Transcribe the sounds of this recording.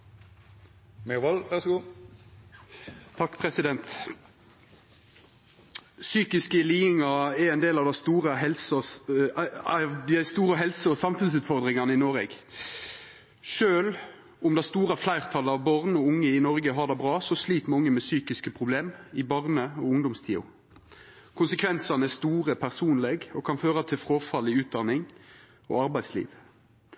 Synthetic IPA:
mɛʋɑlʋæʁsɔɡuː | t̪ʰɑkːpʰʁɛsɪd̪ɛnt̪ | syːkɪskəɪliːɪŋɑɛɾɛɪnd̪eːlɑʋd̪æɪst̪uːʁəɦɛlsɔ | d̪ɪæɪst̪uːʁəɦɛlsəɔsɑmfʉns̬ʉːt̪fɔʁd̪ʁɪŋɑnəɪnoːɾɛ̰ɡ | ʂøːl | ʊmd̪ɛst̪uːɾəflæɪʁt̪ʰɑləɑʋbɑʁnɔʊŋːəɪnɔɾɡəɦɑd̪ɛbʁɑːsɔsliːt̪mɑŋːəmɛsyːkɪskəpʰʁʊbleːmɪbɑʁnəɔʊŋd̪ʊmst̪ʰḭːʊ̰ | kʰʊnsəkʰʋɛnsɑnəɛst̪uːʁəpʰæʁsuːnlɛɡɔkʰɑnføːʁət̪ʰɪlfɾoːfɑlɪʉːt̪̚d̪ɑnɪŋ | ɔ̰ɑɾbæɪslḭːʋ

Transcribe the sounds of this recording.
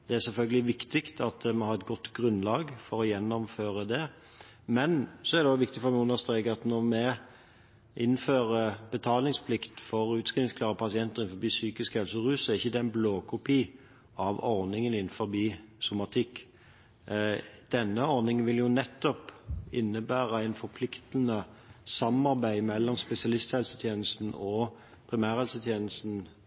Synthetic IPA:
d̪̥ɛæʁsɛlfœlɡəlɪʋɪkt̪ɪkt̪ʰɑt̪mɛhɑːɾɛt̪ɡɔt̪ːɡɾʉnlɑːɡfɔɾɔjɛnːɔmføːʁəd̪ɛ | mɛnsɔɛæɾd̪ɛd̪ɔʋɪkt̪ɪfɔɾmæɪʊnːəst̪ʁeɡɑt̪nɔɾmɛ | ʔɪnːføːɾəbət̪ʰɑːlnɪŋspʰlɪkt̪fɔɾʉːt̪skʁɪɪskʰlɑːʁəpʰɑsɪɛnt̪əʁɪn̩fɔbiːsyːkɪskhɛlsəɾʉːsɛɪçːəd̪ɛnbloːkʰʊpiː | ɑʋɔʁnɪŋənɪnfɔɾbiːsʊmɑt̪ʰɪkː | d̪̥ɛnːəɔɾnɪŋənʋɪljʊnɛt̪ːɔpɪnːəbæːʁəæɪnfɔʁpʰlɪkt̪ən̩əsɑmɑʁbæɪmɛlːɔmspɛsɪɑlɪst̪hɛlsət̪ʰjeːnəst̪n̩ɔ | pʰʁɪmæːɾhɛlsət̪ʰjeːnəlst̪n̩

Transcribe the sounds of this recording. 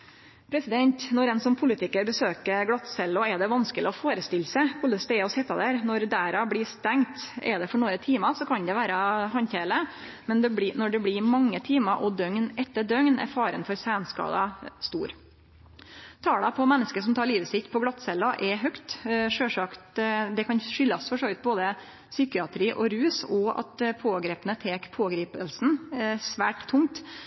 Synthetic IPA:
pʰɾɛsɪd̪ɛnt̪nɔɾɛnsɔmpʰʊlɪt̪ʰɪkəɾbəsøːkəɾɡɽɑt̪sɛlːɔɛd̪ɛʋɑnskəlɪɔfoːɾəst̪ɪlsəkʰʊlːəsd̪ɛɛɔsɛt̪ːɑd̪æːɾnɔɾd̪æːɾɑbɽiːst̪ɛŋt̪ɛ̰d̪ɛfɔɳoːɾət̪ʰiːmɑsɔkʰɑnd̪ɛʋæːɾɑɦɑnçeːlə | mɛnd̪ɛbnɔɖɛblɪmɑŋːət̪ʰiːmɑʔɔd̪œŋnɛt̪ːəɖ̪œŋnæ̰ɾfɑːɾə̰nfɔɾsæːnskɑ̰ːd̪ɑst̪ṵːɾ | t̪ʰɑːlɑpʰɔmɛnːəskəʂɔmt̪ʰɑːɾɭiːʋəsɪt̪ːpʰɔɡlɑt̪ːsɛlːɑʔɛɦœkt̪ʂøːʂɑkt̪d̪ɛkʰɑnʂʏlːɑsfɔʂoːʋət̪̚boːd̪ə | syːkɪɑt̪ʰɾiːʔɔɾʉːsɔɑ̰t̪pʰoːɡɾeːpənət̪ʰeːkpʰoːɡɾiːpəlsnɛsʋæːʈt̪ʰːʊŋt̪

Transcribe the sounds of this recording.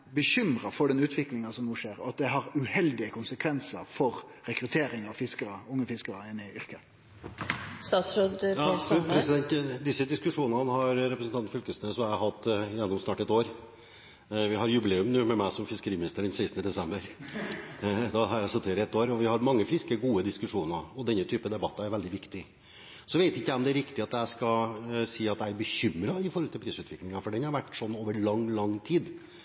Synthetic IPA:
bəɕʏmɾəfɔɖɛnʉːt̪ʰʋɪklɪŋɑsɔmnuːʂeːɾɔɑt̪̚d̪ɛɦɑɾʉhɛld̪ɪəkʰʊnsəkʰʋɛnsə̰ɾfɔɾ | ɾɛkɾʉt̪ʰeːɾɪŋɑʋfɪskəɾəʊŋːəfɪskəɾəɪnːɪʏɾkə | st̪ɑːt̪sɾod̪ɑpʰɾɛsɪd̪ɛnt̪d̪ɪsːəd̪ɪskʉʂuːnnənəhɑɾɾɛpɾəsn̩t̪ɑnfʏlkəsnəːsɔæhɑt̪ːjɛnːɔmsnɑːʈɛt̪ːoːɾ | ʋɪɦɑɾjʉbɪleːʉmnʉːmɛmæɪsɔmfɪskəɾiːmɪnɪst̪əɖɛnseɪst̪nəd̪ɛsɛmbəɾ | d̪ɛɦɑɾjæɪsɔt̪ʰːeːɾɛt̪ːoːɾɔʋɪhɑɾmɑŋːəfɪskəɡuːəd̪ɪskʉʂuːnɑɔd̪ɛnːət̪ʰyːpəd̪ɛbɑt̪ːɑæɾʋɛld̪ɪʋɪkt̪ɪ | sɔʋeɪt̪ɪçːəæɔmd̪ɛæɾɪkt̪ɪɑt̪æɪskɑsiːɑt̪d̪æɪæɾbəçʏmɾɑɪfɔɾhɔlt̪ɪlpʰɾiːsʉːt̪ʋɪklɪŋɑfɔɖɛnhɑɾʋæʈːsɔnːoːʋəɭɑŋlɑŋt̪ʰiːd̪

